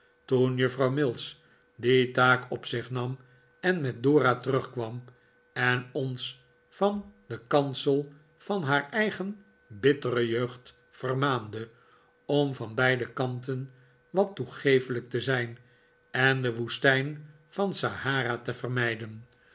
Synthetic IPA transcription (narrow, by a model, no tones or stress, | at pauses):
tunjəfrɑwmɪlˠs | ditaːkɔpsɪχnɑm | ɛnmɛt̚dʊːratərɵχkʋɑm | ɛnɔns | fɑndəkɑnsəlˠ | fɑnɦaːɹɛjχən | bɪtərəjøɥχt | fərmaːndə | ɔmvɑnbɛjdəkɑnt̬ən | ʋɑtːuχejfələk̚təzɛjn | ɛndəʋustɛjn | fɑnsahaːɾatəvərmɛjdən